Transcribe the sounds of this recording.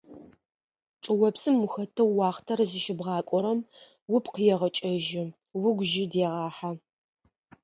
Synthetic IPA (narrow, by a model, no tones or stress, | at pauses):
ʈ͡ʂʼɨwɔpsɨmːʊxɐtʰɐːɑːχtʰɐrzɨʃɪbʁɑːkʷʼɔɾɐm | wʊpqəjɛʁɐt͡ʃʼɐʒɪ | wʊɡʷʒɪdeːʁɑːħa